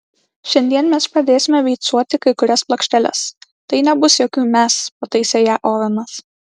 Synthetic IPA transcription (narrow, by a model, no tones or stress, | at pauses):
ʃʲɛnʲd̪ʲiɛnmʲɛspɾɐd̪ʲeːsʲɪmʲɛʋʲɛɪt̪suɔt̪ʲɪkɐɪkʊɾʲɛsplˠɐkʃʲt̪ʲɛlʲɛ̰st̪ɐɪnʲɛbʊsjoːkʲuːmʲɛspot̪ɐɪsʲɛjæːʔoːʋʲɐmɐs